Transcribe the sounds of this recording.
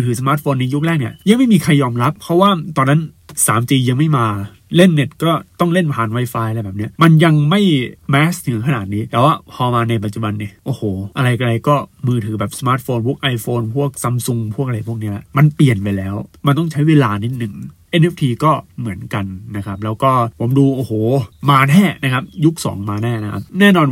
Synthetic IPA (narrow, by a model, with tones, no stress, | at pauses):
t̪ʰɯː˩˦sa˧maː˦˥t̪̚foː˧nːa˧ju˦˥k̚lɛː˥˩k̚ni˥˩ɐja˧ŋma˥˩jmiː˧kʰa˧jːɔː˧mɾa˦˥pʰːɾɔ˦˥waː˥˩t̪ɔː˧nːa˦˥nsa̰ː˨˩˦mt̪iː˧ja˧ŋma˥˩jmaː˧ | le˥˩nːe˨˦˩t̪̚kɔː˥˩t̪ɔ˥˩ŋle˥˩npʰaː˨˩nwa˧˥jfaː˧jlbɛː˨˩p̚ni˦˥ɐma˧nja˧ŋma˥˩jmɛː˦˥snɯ˨˩˦kʰa˧naː˨˩t̪̚niː˦˥t̪ɛː˨˩waː˥˩pʰɔː˧maː˧na˧jpa˨t̪̚t͡ɕu˨˩ba˧nːiː˧˩ʔoː˧˩hoː˨˩ʔa˧ɾa˧jka˧ɾa˧jkɔː˥˩mɯː˧t̪ʰɯː˩˦bɛː˨˩p̚sa˧maː˦˥t̪̚foː˧nbu˦˩k̚ʔa˧jfoː˧npʰu˥˩ək̚sa˧msu˧ŋpʰu˥˩ək̚a˧ɾa˧jpʰu˥˩əkni˦˥ɐlma˧npli˨˩ənpa˧jlɛː˦˥wma˧nt̪ɔ˥˩ŋt͡ɕʰa˦˥jweː˧laː˧ni˦˥t̪̚nɯ˨˩ŋʔe˧nʔe˦˥ft̪ʰiː˧kɔː˥˩mɯ˩˦ənka˧nːa˦˥kʰa˦˥p̚lɛː˦˥wkɔː˥˩pʰo˩˦mduː˧ʔoː˧˩hoː˨˩maː˧nɛː˥˩na˦˥kʰa˦˥p̚ju˦˥k̚sɔ̰ː˩˦ŋmaː˧nɛː˥˩na˦˥kʰa˦˥p̚nɛː˥˩nɔː˧n